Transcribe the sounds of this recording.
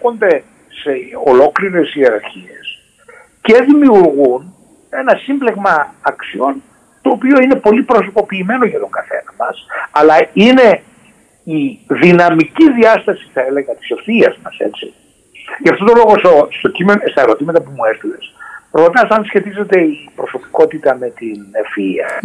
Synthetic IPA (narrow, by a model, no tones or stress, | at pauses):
ond̪e̞ | seo̞lo̞kliɾe̞sieɾɐɾçie̞s | ce̞ðimiuɾɣun | e̞nɐsimbleɣmɐːksio̞n | t̪o̞ːpio̞ine̞po̞lipɾo̞s̬o̞po̞piːme̞no̞ʝɐt̪o̞ŋɡɐθe̞̰nɐmɐsɐlɐine̞ | iðinɐmiciðiɐst̪ɐsi̥θɐele̞ɣɐt̪i̥so̞fθiɐzmɐse̞̰t͡ssḭ | ʝɐft̪o̞t̪o̞lo̞ɣo̞sost̪o̞cimenost̪ɐeɾo̞t̪imɐt̪ɐpumuest̪ile̞sɾo̞t̪ɐsɐnsçe̞t̪ize̞t̪e̞ipɾo̞so̞pi̥ko̞t̪it̪ɐme̞t̪infiɐ̰